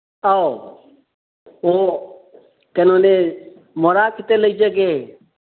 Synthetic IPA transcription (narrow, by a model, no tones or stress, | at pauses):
ao | oː | kənoːneː | moɾaːkʰɪt̪eːləid͡ʒeɡeː